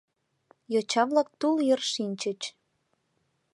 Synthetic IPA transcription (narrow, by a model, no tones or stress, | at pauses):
jot͡ɕɑβlɑk̚t̪ulerʃinʲt͡ɕət͡ɕ